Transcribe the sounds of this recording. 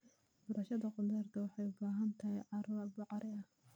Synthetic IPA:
b̥ɔɾɐʃɐðɐqʊd̪ɛrt̪ʰɐwɑħɑjʊbaːɦɐnt̪ʰɐɦɛjʕɑɾɐbɑʕɑɾɪɐh

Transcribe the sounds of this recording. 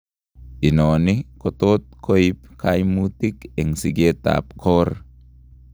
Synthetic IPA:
inonikot̪ot̪̚kʰoipkʰajmut̪ikeŋsiɡet̪a̰p̚kʰor

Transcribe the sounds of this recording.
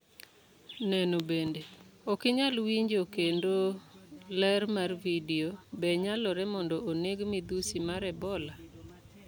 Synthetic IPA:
nɛnobendeɔkɪɲalwiɲd͡ʒokendolɛrmarvidiobɛɲalɔɾɛmɔndɔʔoneɡmid̪usimaɾɛbɔla

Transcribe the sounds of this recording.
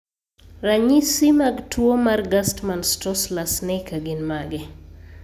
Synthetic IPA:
raɲisimaɡtwomarɡastmanstɔslasnɛikaɡɪnmaɡɛ

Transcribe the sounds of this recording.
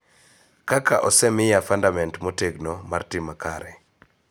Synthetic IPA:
kakaʔɔsɛmɪjafandamɛntmɔteɡnomartɪmakʰaɾɛ

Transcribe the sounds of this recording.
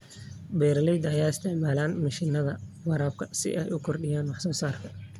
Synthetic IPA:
bɛːɾɐlɛjd̪ɐjaːɪst̪ʰɪʕmaːlaːnmɐʃɪnɐðɐwɑɾaːb̚kʰɐsɪ̰ʔɛjʊkʰɔrɖɪjaːnwɑħsɔːsaːrkʰɐ

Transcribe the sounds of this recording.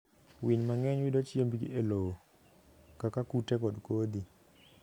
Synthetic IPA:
wiɲmaŋɛɲwidɔt͡ʃjembiɡeloo | kakakutɛkɔdkod̪i

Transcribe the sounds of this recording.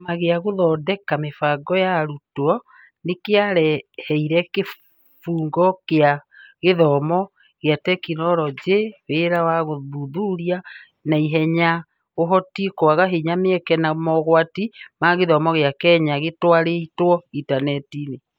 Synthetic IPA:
maɣeaɣoðɔdɛkamefaɡɔjaɾutɔ | nekeaɾɛhɛiɾɛke | fuːŋɡɔkeaɣeðɔːmɔ | ɣjatɛkinɔɾɔd͡ʒeweɾawaɣoðuðuɾia | naiɦɛɲa | ɣoɦɔtikwaɣaɦeɲameɛkɛnamɔɣwatimaɣeðɔmɔɣeakɛɲaɣetwaɾeitwɔitanɛtine

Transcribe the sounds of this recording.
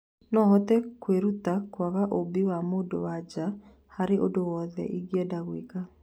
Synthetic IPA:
nɔɦɔtɛkweɾutakwaɣaʔobiwamodo̰wad͡ʒa | haɾeʔodowɔðɛ̰ʔiɡjɛdaɣweka

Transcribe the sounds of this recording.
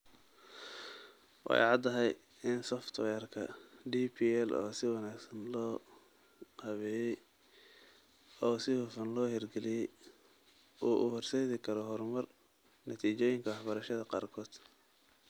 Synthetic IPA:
wɑ̰ɑ̰jʕɑd̪ːɐɦɛj | ɪnsɔft̪ʰwɛːrkʰɐɖiːpʰiːɛlɔ̰ːsɪwɑnaːɡsɐnlɔː | hɐβɛjɛ | ɔːsɪhʊfɐnlɔːhɛrɡɛlɪjɛj | ʔuːʔʊhɔrsɛːðɪkʰɐɾɔɦɔrmɐr | nɐt̪ʰiːt͡ʃɔːjɪŋkʰɐwɑħbɐɾɐʃɐðɐqɑ̰ːrkʰɔːd̪̥

